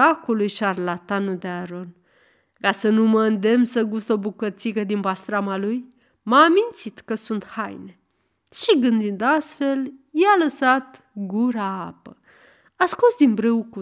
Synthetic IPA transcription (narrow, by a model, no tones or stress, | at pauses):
akulujʃarlat̪anud̪eaɾo̞n | kasənuməɨnd̪e̞msəɡust̪o̞bukət̪sikəd̪inbast̪ɾamaluj | maːmint̪sit̪kəsunt̪ha̰jne | ʃiɡɨnd̪ind̪ast̪fe̞ljaləsat̪ | ɡuɾaapə̰ | askusd̪inbɾəwku